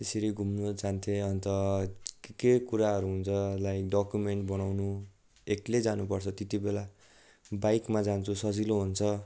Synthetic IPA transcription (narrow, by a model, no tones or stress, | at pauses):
t̪eseɾiɡʱumnʌd͡zant̪ʰeʌnt̪ʌ | kekuɾaɦʌɾuɦunt͡sʰʌlajɖʌkjumeɳʈbʌnawnu | ekled͡zanupʌrt͡sʰʌt̪et̪ibela | bajkmad͡zant͡sʰusʌd͡ziloɦunt͡sʰʌ